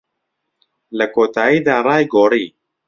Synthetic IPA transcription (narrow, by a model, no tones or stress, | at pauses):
lɐkoːt̪ʰaːjiːd̪aːrˤɑːjɡoːɾiː